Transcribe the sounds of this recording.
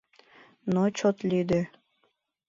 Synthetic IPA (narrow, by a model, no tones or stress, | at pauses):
not͡ɕot̪lyd̪ø